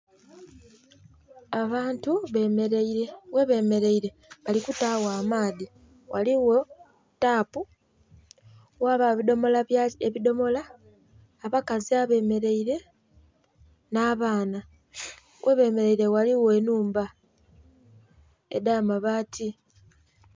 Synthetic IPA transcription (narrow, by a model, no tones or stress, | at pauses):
aβaːntuβemeɾeiɾewe̞βe̞ːme̞ɾe̞iɾe̞ | βalikutawaːmaːði | wʔa̰liwo̞ | taːpu | waβaβidomo̞laeβido̞mo̞laː | βakaziaβe̞ːme̞ɾe̞iɾe̞ | naːβaːna | wʔeβe̞ːme̞ɾe̞iɾe̞waliwe̞ːnuːmba | ḛdaːmaβatʰi